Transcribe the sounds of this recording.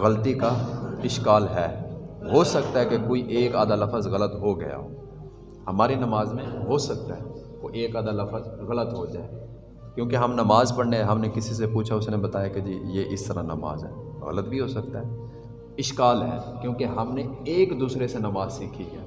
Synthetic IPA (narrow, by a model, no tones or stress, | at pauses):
ɣɐlt̪ikaɪʃkaːlɦɛːɦoːsɐkt̪aɦɛkekoːiʔeːkaːd̪alɐfəzɣɐlət̪ɦoɡɐ̰ja̰ɦo̰ː | hɐmaːɾenɐmaːzmẽɦosɐk̚t̪aɦɛ | oʔeːkaːd̪alɐfəzɣɐlət̪ɦod͡ʒa̰ːe | kjõːkeɦɐmnɐmaːzpɐɽneɦɐmnekɪsis̬epuːt͡ʃʰaʊsnebɐt̪aːjaked͡ʒiːjeʔɪst̪ɐɾãnɐ̰ma̰ːzɦɛ̰ːɣɐ̰lət̪bʱiɦoːsɐk̚t̪aɦɛː | ɪʃkaːlɦɛ̰ːkjõːkeɦɐmneeːkd̪uːsɾesenɐmaːzsiːkʰiɦɛ̰ː